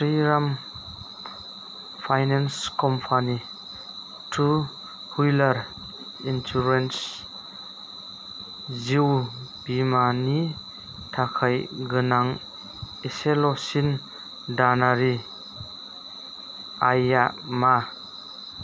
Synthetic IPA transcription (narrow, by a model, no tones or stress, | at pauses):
fɾiɾam | fʰajnanskɔmpʰani | tʰu | hujlaɾ | int͡ʃuɾens | ziwbimani | tʰakʰajɡənaŋ | eselɔsin | danaɾi | ajama